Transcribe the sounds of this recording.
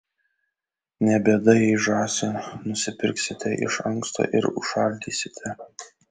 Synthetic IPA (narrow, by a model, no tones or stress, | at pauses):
nʲɛbʲeːd̪ɐjɛʒɑːsʲenʊsʲɪpʲɪɾʲksʲɪt̪ʲɛʔɪ̰ʃɐŋkst̪o̰ːʔɪ̰ɾʊ̰ʃɐlʲd̪ʲiːsʲɪ̥t̪ʲɛ